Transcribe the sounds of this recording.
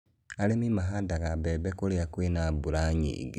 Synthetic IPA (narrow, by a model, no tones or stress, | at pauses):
alemimaɦadaɣabebekoleakwinabuɾaɲḭɡi